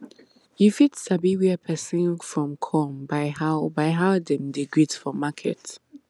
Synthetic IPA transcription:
jifitsabiwiəpʰɛsĩnfɹɔ̃mkʰɔmbaɪhaʊbaɪɦaʊdɛ̃mdeɡɹidfɔmakʰɛ̰t

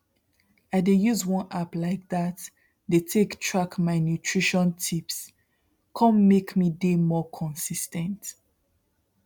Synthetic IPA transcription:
aɪdejuzwɔ̃naplaɪk̚ðat | detʰektʰɹakmaɪnjutʰɹiʃɔ̃ntʰips | kʰɔ̃mmekmidemɔkʰɔ̃nsistɛ̃nt

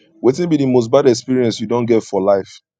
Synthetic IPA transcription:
wetɪ̃nbidimos̬t̚badɛkspiɹiɛ̃nsjudõnɡɛtfɔlaɪf

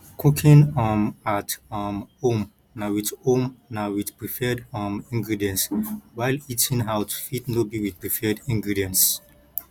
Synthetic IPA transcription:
kʰukʰĩnɔmatɔmhõm | nawitõmnawiθpɹifɛdɔ̃mĩŋɡɹidiɛ̃nswajlitʰĩnɦaʊtʰfitnobiwipɹifɛdĩŋɡɹidiɛ̃ns

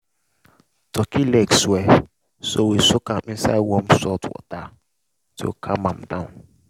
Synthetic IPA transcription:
tʰɔkilɛkswɛ | sowisʊkamĩnsawɔ̃msɔtwɔ̰ta | tʰɪo̰kʰamãmdãũn

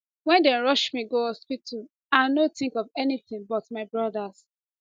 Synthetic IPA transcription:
wɛ̃ndɛ̃nɹɔʃmiɡoɔspitʰu | ãnot̪ĩŋkɔvɛniθĩŋbɔtmaɪbɹɔdas

